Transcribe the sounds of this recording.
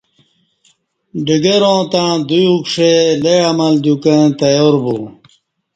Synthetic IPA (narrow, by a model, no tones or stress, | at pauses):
ɖiɡeɾõːt̪ãːd̪ujukʂeleɐmɐld̪ukẽt̪ɐjoːɾbu